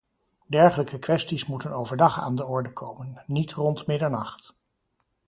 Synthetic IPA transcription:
dɛɹχələkəkʋɛstismutənowvəɹdɑχa̰ːndəɔɹdəkʰowmənːitrɔntmɪdəɹnɑχt

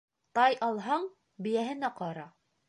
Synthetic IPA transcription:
t̪ɑjʔɑlˠɦɑɴ | bɘ̆jæɦɘnæqɑɾɑ

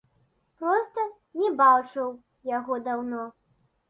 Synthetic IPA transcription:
pɾɔst̪ɐ | nʲɛbawt͡ʂɐw | jaɣɔd̪awnɔ

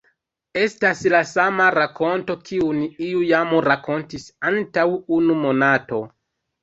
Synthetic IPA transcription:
e̞staslasamaɾako̞nto̞kʰiuniiujamuɾakʰo̞ntisantawunumo̞nato̞

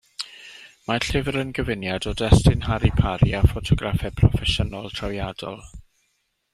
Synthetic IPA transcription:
maɬɪvɾənɡəvɪnjadɔdɛstɪnɦaɾipʰaɾiafɔtʰɔɡrafɛpʰrɔfɛʃənɔlˠtʰrawjadɔ̰lˠ

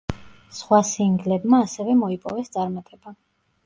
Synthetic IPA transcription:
sχwasiŋɡlɛbmaːsɛvɛmɔipʼɔ̰vɛst̪sʼaɾmat̪ʼɛba

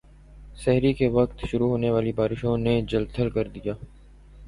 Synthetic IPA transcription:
sɛɦɾikeʋɐkt̪ʃʊɾuɦoːneʋaːlibaːɾɪʃõned͡ʒəlt̪ʰəlkɐɾd̪ijaː

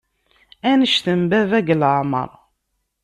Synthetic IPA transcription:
ænəʃθəmbævæɡlʕmə̰ɾˤ

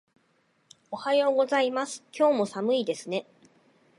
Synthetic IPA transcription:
o̞hajoːɡo̞zaimasɨ̥kʲo̞ːmo̞samɯ̟id̪e̞sɨne̞

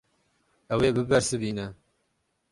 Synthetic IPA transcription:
ɐweːbɨbɛɾsɨbiːnɛ

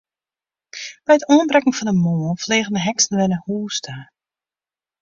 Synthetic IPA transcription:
b̥ɛjətoənbrɛkŋ̩fɔndəmoːlˠfleːɣəndəɦɛksn̩ʋɛnəhuːstʰə

